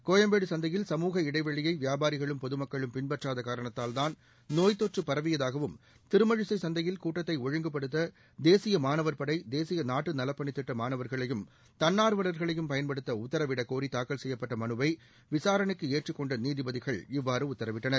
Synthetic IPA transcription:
koːjɐmbeːɽɯsɐnd̪ɐjɪlsɐmuːɣɐɪɽɐɪʋɐɻɪjɐɪʋjaːbaːɾɪɣɐɭɯmpɔðɯmɐkːɐɭɯmpɪnbɐʈraːðɐkaːɾɐɳɐt̪ːaːlðaːn | noːjt̪ːoːʈrɯpːɐɾɐʋɪjɐðaːɣɐʋɯm | t̪ɪɾɯmɐɻɯsɐɪsɐnd̪ɐjɪlkuːʈːɐt̪ːɐɪɔɻɐŋɡɐpːɐɽɯt̪ːɐ | d̪eːsɪjɐmaːnɐʋɐɾpɐɽɐɪd̪eːsɪjɐnaːʈːɯnɐlɐpːɐɳɪt̪ːɪʈːɐmaːnɐʋɐɾɣɐɭɐjɯm | t̪ɐnːaːɾʋɐɭɐɾɣɐɭɐjɯmpɐjɐnpɐɽɯt̪ːɐʊt̪ːɐɾɐʋɪɽɐkoːɾit̪aːkːɐɭsɛjːɐpːɐʈːɐmɐnɯʋɐɪ | ʋɪsaːɾɐɳɯkːɯeːʈrɯkːɔɳɖɐniːðɪbɐðɪɣɐɭɪʋːaːɾɯʊt̪ːɐɾɐʋɪʈːɐnɐɾ

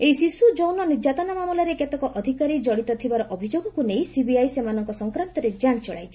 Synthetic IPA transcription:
ejsisud͡ʒownɔnid͡ʒat̪ɔnamamulaɾeket̪ɔkɔʔɔd̪ʱikaɾid͡ʒɔɽit̪ɔt̪ʰibaɾɔʔɔbʱid͡ʒoɡɔkunejsibiajsemanɔŋkɔsɔŋkɾant̪ɔɾed͡ʒant͡ʃɔɭa̰jt͡ʃʰi̥

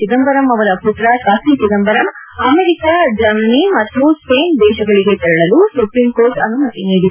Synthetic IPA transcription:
sid̪ɐmbɐɾɐmɐʋɐlɐput̪ɾaːkaːsiːsid̪ɐmbɐɾɐmɐmeɾikaːd͡ʒɐɾmɐnimɐt̪ːjuspeːnd̪ɛːʃɐɡɐɭiɡeːt̪ɐɾɐɭɐlusupɾiːmkoːɾʈɐnːumɐʈ̪iniːd̪i

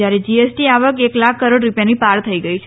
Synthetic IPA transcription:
aɾed͡ʒiesʈiaʋəkeklakʰːəɾoɽɾupjanipaɾt̪ʰəiɡəit͡ʃʰe

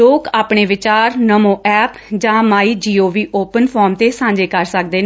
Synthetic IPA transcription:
oːkaːpɳeːʋɪt͡ʃaːɾnəmõːʔɛːpd͡ʒãːmaːiːd͡ʒiːoːʋiːʔoːpənpʰɔːɾmt̪eːsãːɲd͡ʒeːkəɾsək̚d̪eːn

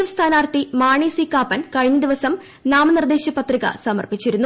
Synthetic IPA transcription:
ɐmst̪ʰaːnaːrt̪imaːɳiːsikːaːpɐnkɐɻiɲːɐd̪iʋɐsɐm | naːmɐnird̪eːɕjɐpːɐt̪riɣɐ̰sɐmɐ̰rpit͡ɕːiɾunːu

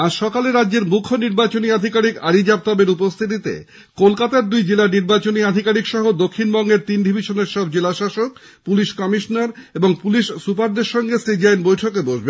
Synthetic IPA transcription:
aʃɔkaleɾadːeɾmukʰːoniɾbat͡ɕoniad̪ʱikaɾikaɾid͡ʑap̚t̪abeɾupost̪ʰit̪̬it̪ḛ | kolkat̪aɾd̪ujd͡ʑelaniɾbat͡ɕoniad̪ʱikaɾikʃɔɦod̪okʰːinbɔŋɡeɾt̪inɖʱibʱiʃoneɾʃɔb̚d͡ʑelaʃaʃok | puliʃkɔmiʃonaɾeboŋpuliʃsupaɾd̪eɾʃɔŋɡesid͡ʑajnbojʈʰokeboʃben

